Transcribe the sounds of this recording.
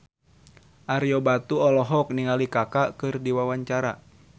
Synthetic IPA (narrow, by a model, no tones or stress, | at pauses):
ʔaɾjɔbat̪uɔlɔɦɔk̚niŋalikakakɨrdiwawaɲt͡ʃaɾa̰